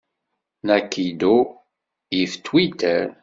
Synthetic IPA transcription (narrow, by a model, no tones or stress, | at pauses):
nækːid̪u | jift̪ʰwit̪əɾ